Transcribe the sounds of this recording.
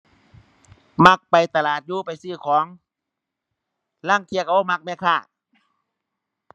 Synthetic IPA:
ma˧˥k̚pa˨jt̪a˧laː˨˩t̪̚juː˧˨pa˨jsɯː˧˩kʰɔː˨˦ŋ | la˧˥˨ŋk̪ʰi˧˨ka˧˨o˧˨ma˧k̚mɛː˧˥˨kʰaː˧˩

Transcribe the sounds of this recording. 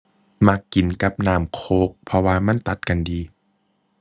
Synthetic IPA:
ma˧˥kːi˨˩nka˧˦p̚naː˧˩mkʰoː˧˦k̚pʰɔ˧waː˧ma˧˥˨nt̪a˨˩t̪̚ka˧˨ndiː˨˧

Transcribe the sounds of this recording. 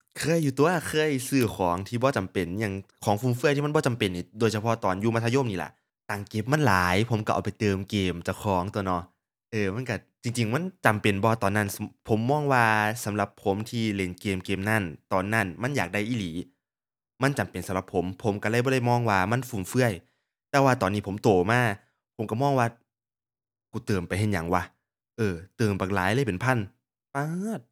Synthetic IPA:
kʰɤː˧˥˨jːuː˧˩t̪u˧˨ɐkʰɤː˧˥˨jsɯː˧˩kʰɔː˨˦ŋt̪ʰiː˧˩bɔː˧˦t͡ɕa˨mpe˨˩njaː˧˩ŋkʰɔː˨˦ŋfuː˧˩mfɯ˧˥˩t̪ʰiː˧a˧˥˨bɔː˧t͡ɕa˨mpe˨nːiː˧˩doː˨jsʰa˧pʰɔ˧˨t̪ɔː˨˩njuː˧ma˧˥t̪ʰa˧jo˧˥˨mniː˧˩la̰˧˨ʔ | t̪aː˨˩ŋke˧˥˩p̚ma˧˥˨nlaː˨˦jpʰo˩˦mka˧˩ʔa̰˨˩wpa˨jt̪ɤː˧mkeː˧mt͡ɕa˧˩kʰɔː˨˦ŋt̪u˧ənɔ˧˩ | ʔɤː˧ma˧˥˨nka˧˩t͡ɕi˧ŋt͡ɕi˧ŋma˧˥˨nt͡ɕa˨˩mpe˨˩nbɔ˧˦t̪ɔː˨nːa˧˥˩npʰo˨˦mːɔː˧˥˨ŋwaː˧sa˨˦mla˧pʰːo˩˦mt̪ʰiː˧˩le˨˩nkeː˨˩mkeː˨˩mna˧˥˩nt̪ɔː˨˩nːa˧˥˩nma˧˥˨njaː˨˩k̚da˧˩˨jʔiː˧˩liː˨˦ | ma˧˥˨nt͡ɕa˨˩mpe˨nsa˨˦mla˧pʰːo˨˩˦mpʰo˨˦mka˧˩la˧˥˩jbɔː˧ɾa˧˥˩jmɔː˧˥˨ŋwaː˧˩ma˧˥˨nfuː˨˩mfɯ˧˩ɐəj | t̪ɛː˧waː˧t̪ɔː˨nːiː˧˥˩pʰo˨˦mt̪oː˨˩maː˧˩ | pʰo˨˩˦mka˧˩mɔː˧˥˨ŋwaː˧˩ | kuː˨˧˦t̪ɤː˨˩mpa˨jɦe˧˥˩nɲa˨˦ŋwa˧˥ | ʔɤː˧˩t̪ɤː˨˩mpaː˨˧˩k̚laː˨˦jla˧˥˩jpe˨˩npʰa˧˥˨n | paː˧˥˩t̪̚

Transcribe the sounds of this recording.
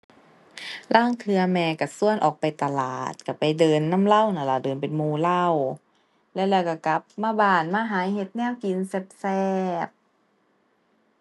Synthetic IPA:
lʔaː˧˥˩ŋt̪ʰɯ˧ɐmɛː˧˩ka˧˩su˧˨ənʔɔː˨˩k̚pa˨jt̪a˧la̰ː˨˩t̪̚ka˧˩pa˨jdɤː˨˧nːa˧˥˨mla˧˥˨wna˧˩la˧˩dɤː˨˩npe˨nmuː˧˩la˧˥˩w | lɛ˧˩˨lɛː˧˩wka˧˩ka˧˦p̚maː˧˥˨baː˧˩nmaː˧˥˨ɦaː˨˦jhe˧˦t̪̚nɛː˧˥˨wki˨nse˧˦p̚sɛː˧˩p̚

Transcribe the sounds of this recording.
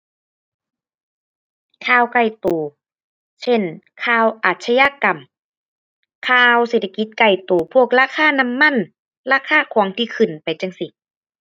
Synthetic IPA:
kʰaː˧˩˨wka˧˩jt̪oː˨˩ | sʰe˧˥˨nkʰaː˧˩˨wʔaː˨˩t̪̚sʰa˧ja˧˥ka˨˩m | kʰaː˧wseː˧˨˩t̪ʰːa˧ki˧˦t̪̚ka˧˩jt̪oː˨˩pʰu˧˥˩ək̚laː˧˥˨kʰaː˧˥˨na˧˥˨mːa˧˥˨n | laː˧˥˨kʰaː˧˩˨kʰɔː˨˦ŋt̪ʰiː˧˩kʰɯ˨˩npa˨jt͡ɕa˧˩ŋsi˧˩

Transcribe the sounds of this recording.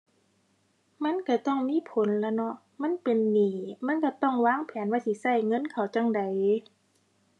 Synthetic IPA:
ma˧˥˨nka˧˩t̪ɔ˧˥˩ŋmiː˧˥˨pʰo˨˦nla˧˩nɔ˧˦ʔ | ma˧˥˨npe˨nːiː˨˩ma˧˥˨nka˧˩t̪ɔ˧˥˩ŋwaː˧˥˨ŋpʰɛː˨˦nwaː˧˥˩t̪ʰi˧˩sa˧˩jŋɤ˧˥˨nkʰa˨˩wt͡ɕa˧˥˨ŋda˨j

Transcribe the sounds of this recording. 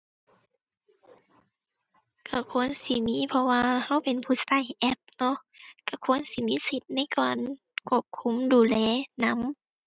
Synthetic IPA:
kʰa˧˩kʰu˧˥˨ənsi˧˨miː˧˨pʰɔ˧waː˧ha˧˥˨wpe˨npʰuː˧˨sa˧˩jʔɛ˧˥p̚nɔ˧˨ʔka˧˩kʰu˧˥˨ə˨nsi˧˦˨miː˧˥˨si˧˦t̪̚na˧˥˨jkɔː˨˩n | kʰu˧˩˨p̚kʰu˧˥˨mduː˨lɛː˧˦˨na˧˥˨m

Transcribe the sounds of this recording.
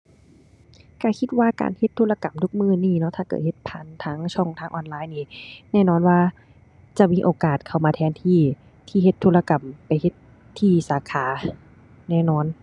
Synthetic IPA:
ka˧˩kʰi˧˥t̪̚waː˧˨ka̰ː˨nhe˧˥t̪ʰːuː˧˥˨la˧ka˨˩mt̪ʰu˧˥k̚mɯː˧˩˨niː˧˩nɔ˧˥ʔt̪ʰaː˧˩kɤ̰ː˧˩he˧˦t̪̚pʰaː˨˧˩nt̪ʰaː˦˥ŋt͡ɕʰɔ˧˩ŋt̪ʰaː˧˥ŋʔɔː˧nlaː˧˥˨jniː˧˩nɛː˧˥˨nɔː˧˥˩nwaː˧˩ | t͡ɕa˧˩miː˧˥ʔoː˨˩kaː˨˩t̪̚kʰa˧˩wmaː˧t̪ʰɛː˧˥nt̪ʰiː˧˥˩ | t̪ʰiː˧˩he˧t̪ʰːuː˧la˧ka˨˩mpa˨jhe˧˥t̪ʰː | iː˧˩saː˨˦kʰaː˨˦ | nɛː˧˩˨nɔː˧˥˨n

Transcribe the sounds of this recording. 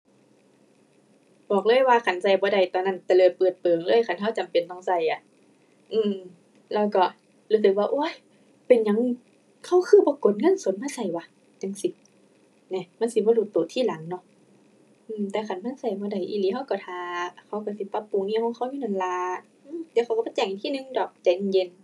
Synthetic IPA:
bɔː˨˩k̚lɤː˧˥˨jwaː˧kʰa˧˩nsa˧˩jbɔː˧˦da˨˩jt̪ɔː˧˨na˧˥˨nt̪ɛː˧lɤː˧˩t̪̚pɤː˨˩t̪̚pɤː˨˩ŋlɤː˧˥˨jkʰa˧˨nɦa˧˩˨wt͡ɕa˨mpe˨nt̪ɔː˧˩ŋsa˧˩jʔa˧˨˦ | ʔɯː˧˩m | lɛː˧˩˨kɔ˧˩ | luː˦s̬ɯ˧˦k̚waː˧ʔo˧˩˨j | pe˨nɲa˨˧˦ŋ | kʰa˧˩˨wkʰɯː˧˥˩bɔː˧˦ko˨˦n̚ŋɤ˧˥˨nso˨˦nmaː˧˥˨sa˧˩jwa˧˦ | tɯ˧˦ŋsi˧˦ | nɛ˧ma˧˥˨nsi˧˦bɔː˧lu˧˩t̪ːoː˨˦t̪ʰiː˧˥˨la˨˦ŋːɔ˧˨ʔ | ʔɯː˧˨mt̪ɛː˧kʰa˧˩˨nma˧˥˨nsa˧˩jbɔː˧˦da˨˩jʔḭ˧˨liː˨˧˦ha˧˥˨wkɔ˧˩t̪ʰaː˧kʰa˧˩wkɔ˧˩si˧˦pa˧pːu˨˧˨ŋniː˧˥˨hʰɔː˧˨ŋkʰa˧˨wjuː˧˨a˨˧˩nlaː˧ | ʔɯː˧˨t̪ɛː˧˦kʰxa˧˨kbɔ˧˦t͡ɕɛː˧˩ŋʔa˧˨nt̪ʰiː˧˨nɯ˧˨ŋdɔː˨˩k̚t͡ɕɛ˧˨˩n˧je˧˨n

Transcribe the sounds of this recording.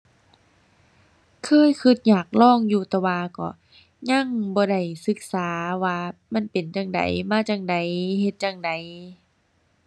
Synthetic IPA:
kʰɤː˧˥˨jkʰɯ˧˩t̪̚ɲaː˧˨˩k̚lɔː˧˥˩ŋjuː˧t̪ɛː˧waː˧kɔ̰˧˩ | ɲa˧˥˨ŋbɔː˧˦da˧˩jsɯ˧˦k̚saː˨˦waː˧ma˧˥˨npe˨˩nt͡ɕaː˧˩ŋda̰˨˦jmaː˧˥˨t͡ɕaː˧˩ŋda˨˦jhe˧t̪̚t͡ɕaː˧ŋda˨˦j

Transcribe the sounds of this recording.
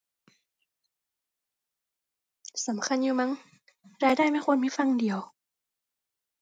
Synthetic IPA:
sa˨˩˦mkʰa˧˥˨njuː˧ma˦˥ŋ | ɾaː˧jdaː˥˩jma˥˨xʰwnmi˧˥˩fa˧˨ŋdi˨˦əw

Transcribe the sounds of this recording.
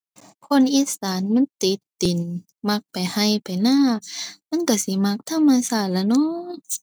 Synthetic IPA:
kʰo˧˨nʔiː˧˥saː˨˦nma˧˥˨nt̪i˧˦t̪ːi˨n | ma˧˥k̚pa˨˩jha˧˩jpa˨jnaː˧˥˨ma˧˥˨nka˧˩si˧˦ma˧˥k̚t̪ʰa˧˩˨mːa˧˩˨saː˧˩tla˧˩nɔ˧˥˨

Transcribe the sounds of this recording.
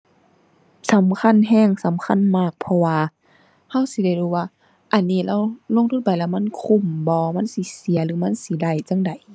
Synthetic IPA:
sa˨˦mkʰa˧˥˨nɦɛː˧˥˨ŋsa˨˦mkʰa˧˥˨nmaː˧˩k̚pʰɔ˧waː˧ | ha˧˥˨wsi˧˦da˧˩jduː˧˩waː˧ | ʔa˨˩nːiː˧˩˨la˧˩˨wlo˧˨ŋt̪ʰu˧˥˨t̚pa˨jlaː˧˩˨ma˧˥˨nkʰu˧˩˨mbɔː˧˦ma˧˥˨nsi˧˦si˨˦ɐlɯː˨˦ma˧˥˨nsi˧˦da˧˩jt͡ɕa˧˥˨ŋda˨˩j

